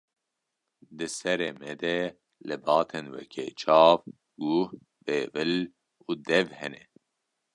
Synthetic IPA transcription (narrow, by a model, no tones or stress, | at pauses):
d̪ɨsɛɾeːmɛd̪ɛ | lɨbɑːt̪ʰenwɛ̰kʰḛːt͡ʃʰɑːv | ɡuh | b̥eːvɨl | uːd̪ɛvhɛnɛ